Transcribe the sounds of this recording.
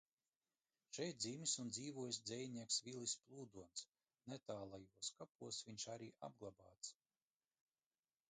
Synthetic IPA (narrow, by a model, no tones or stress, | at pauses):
ʃɛjt̪̚d̪zimisund̪ziːvuɔjs̬ʲd̪zʲɛjnʲiɛksvʲilˠisplˠuːd̪uɔns | nɛt̪aːlˠajuɔskapuɔsvʲiɲʲʃaɾiːʔa̰b̚ɡlˠaba̰ːt̪s